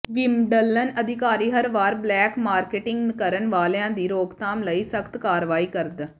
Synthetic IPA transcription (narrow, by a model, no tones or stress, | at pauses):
ʋɪmɖəlːənəd̪ɪkaːɾiːɦəɾʋaːɾblɛːkmaːɾkeːʈɪ̃ŋɡnkəɾənʋaːlejãːd̪iːɾoːɡt̪ãːmləiːsəkʰt̪kaːɾʋaːiːkəɾd̪